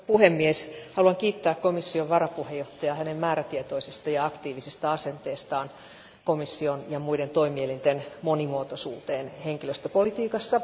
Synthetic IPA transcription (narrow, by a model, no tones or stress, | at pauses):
puhemːieshɑluɑŋkiːt̪ːæːkkomisːioʋʋɑrɑpuhejoht̪ɑjɑhænemmæːɾæt̪iet̪oisest̪ɑjɑɑkt̪iːʋisist̪ɑɑsent̪eːst̪ɑːn | komisːionjɑmuident̪o̞imielint̪enmonimuot̪osṵːt̪eːnheŋkiløst̪øpolit̪iːkɑsːɑ